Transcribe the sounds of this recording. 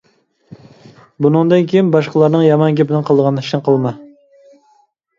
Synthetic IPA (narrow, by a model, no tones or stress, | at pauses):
bunɨŋd̪ɨnkʲʰejinbɑʃqəlˠɑɾnɨŋjɑmɑnɡʲepɪnɪqʰəlˠd̪əʁɑni̥ʃnɨqʰəlˠmɑ